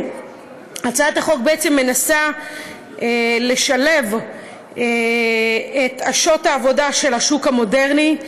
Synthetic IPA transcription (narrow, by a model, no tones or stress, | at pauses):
at͡saataχo̞k̚beʔet͡semːe̞nasa | ele̞ʃalev | e | etaʃo̞taːvo̞daʃe̞lhaʃukamo̞deʁni